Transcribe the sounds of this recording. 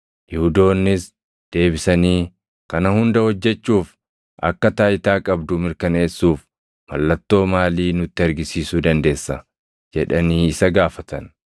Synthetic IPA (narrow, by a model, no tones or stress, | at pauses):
jɪhʊd̪o̞ːnːɪs | d̪̥e̞ːbɪsɐniː | kɐnɐhʊnd̪ɐhɔd͡ʒːɛt͡ʃːuːf | ʔɐ̰kːɐt̪aːɪt̪aːkʼɐbd̪ʊmɪɾkɐne̞ːsːuːf | mɐlːɐt̪ːo̞ːmaːliːnʊt̪ːɪɐɾɡɪsiːsuːd̪ɐnd̪e̞ːsːɐ | d͡ʒɛᶑɐniːɪsɐɡaːfɐt̪ɐn